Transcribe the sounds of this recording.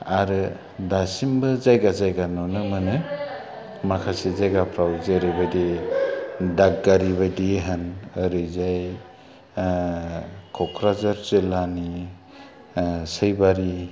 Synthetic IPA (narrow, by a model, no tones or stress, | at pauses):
aɾɯ | dasimbɯzajɡazajɡanɔnɯmɯnɯ | makʰasizajɡapʰɾawzeɾɯjbajdi | daɡ̚ɡaɾiβajdiɦɯnɯɾɯjzaj | kʰɔkʰɾazaɾzilani | sɯjbaɾi